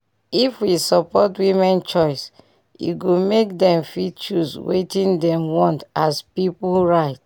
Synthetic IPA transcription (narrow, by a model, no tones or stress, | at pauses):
ifwisɔpɔtwimɛ̃nt͡ʃɔɪs | ṵɡomekdɛ̃mfit͡ʃuswḛtĩndɛ̃mwɔ̃ntaspipulɹaɪt̚